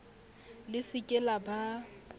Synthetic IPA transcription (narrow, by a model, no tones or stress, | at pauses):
lɪsɪkʼɛlaba